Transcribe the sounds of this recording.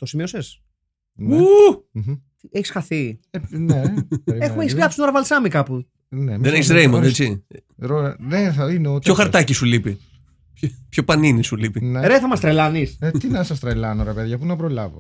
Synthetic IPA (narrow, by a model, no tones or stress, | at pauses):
t̪o̞simio̞ses | nu | t̪ieçi̥sxɐθineɾexumeçisplɐpsinoɾɐvɐlsɐmikɐpu | neðeneçisɾejmond̪et͡siɾoneθɐineot̪pçoxɐɾt̪ɐcisulipi | pço̞pɐninisulipineɾeθɐmɐst̪ɾelɐniset̪inɐsɐst̪ɾelɐnoɾepeðɐʝɐpunɐpɾolɐ̰vo̰